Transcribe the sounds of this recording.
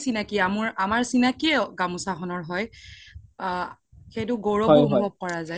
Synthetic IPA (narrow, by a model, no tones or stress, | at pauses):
sinakiamuɹamaɹsinakiɛɡamusaxʰɔnɔɹɦɔj | xejtʊɡoɹɔɔmjbʱɔb̚kɔɹazaj